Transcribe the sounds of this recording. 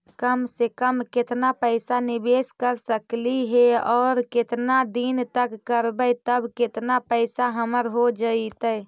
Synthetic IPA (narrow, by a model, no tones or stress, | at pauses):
kəmsekəmket̪napəɪsanibeskəɾsəkliɦeɔːɾket̪nad̪int̪əkːəɾbəjt̪əbket̪napəɪsaɦəməɾɦod͡ʒəit̪ə